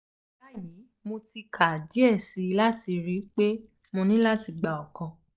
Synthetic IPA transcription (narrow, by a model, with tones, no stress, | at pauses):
ba˦˨ji˨˦ | mo˧ti˧kʰa˨di˨˦ɛ˦˨si˨˦˧la˦ti˧ɾi˨˦k͡pe˦ | mõ˧nĩ˦la˦ti˧ɡ͡ba˨ɔ˨kɔ̃˧